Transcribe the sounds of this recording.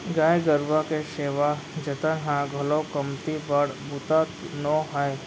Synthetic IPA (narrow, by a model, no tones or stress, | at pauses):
ɡaːeɡəɾʋakeʃeːʋad͡ʒɐt̪ənɦãɡʱɐlɔwkɐmt̪ibəɽbʊt̪at̪nɔːɦaj